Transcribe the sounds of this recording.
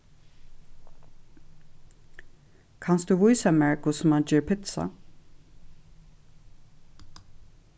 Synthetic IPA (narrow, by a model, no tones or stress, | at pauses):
kʰɑnsd̪ʉːʋɔɪsɑmɛɹkʊsɔmɑnd͡ʒeːɹpʰɪt̪sa̰